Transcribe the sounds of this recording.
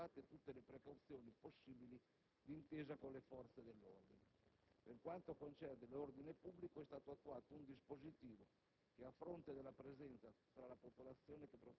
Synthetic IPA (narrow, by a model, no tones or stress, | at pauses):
aːt̪et̪ut̪ːelepɾekawt̪sjɔːniposːiːbili | d̪int̪eːzakolefɔrt̪sed̪ɛlːo̰rd̪ḭneperkwant̪oakont͡ʃɛrd̪elord̪inepubːlikoɛst̪aːt̪oat̪ːuaːt̪ound̪ispozit̪iːvo | k̟eafːɾont̪ed̪ɛlapɾezɛnt̪sat̪ɾalapopolat̪sːjɔːnekepːɾo